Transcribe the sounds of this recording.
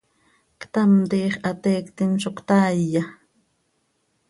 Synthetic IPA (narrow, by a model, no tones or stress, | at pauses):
kt̪amt̪iːχʔat̪eːkt̪ɪnʃokt̪aːjːa